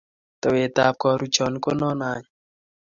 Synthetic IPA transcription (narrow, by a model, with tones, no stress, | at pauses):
tɔ˨we˨ta˨p̚kɔ˧ɾu˦t͡ʃɔ˨n˦ko˦nɔ˦na˨ɲ